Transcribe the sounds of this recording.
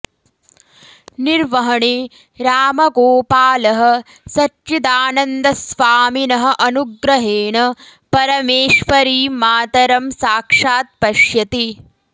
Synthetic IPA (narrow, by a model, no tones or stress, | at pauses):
niɾʋɐɦɐɳi | ɾaːmɐɡoːpaːlɐɦɐ̆ | sɐt͡ʃit̪aːnɐnd̪ɐsʋaːminɐɦɐ̆ʔɐnuɡɾɐɦeːɳɐpɐɾɐmeːʂʋɐɾiːmaːt̪ɐɾɐmsaːkʂaːt̪̚pɐʃjɐt̪i